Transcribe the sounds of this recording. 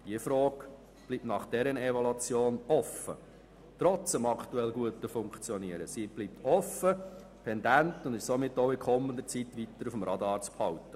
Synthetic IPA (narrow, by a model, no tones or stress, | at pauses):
d̥iəfɾoːk | b̥liptnɑχd̥ɛɾənɛvɔlɑt͡sjoːnɔfə̰ | t̪ɾɔt͡səmɑkʰt̪uɛlɡuətəfʊŋkt͡sjɔniəɾəsib̥liːp̚t̪ɔfːə | pʰɛndæntʊnd̪ɪʃsomɪtːoʊɪkʰɔmːənd̪ət͡sitʋit̪ːəɾufəmrɑdɑːɾt͡sphɑwtə